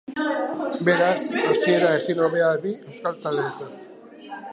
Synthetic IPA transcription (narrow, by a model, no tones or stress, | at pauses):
be̞ɾasast̪ie̞ɾaest̪inoβe̞abie̞wskalt̪ald̪et͡sat̪